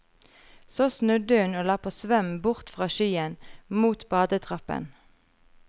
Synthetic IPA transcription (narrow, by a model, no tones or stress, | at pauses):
soːsnʉd̪əhʉnoːlɑːpʰoːsʋœmbʊʁt̪fʁɑːʃyːənmuːt̪bɑːd̪ət̪ʰʁɑpə̰n